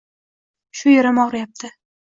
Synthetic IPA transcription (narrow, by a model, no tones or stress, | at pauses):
ʃʊjeɾamɒʁɾajap̚t̪ʰɪ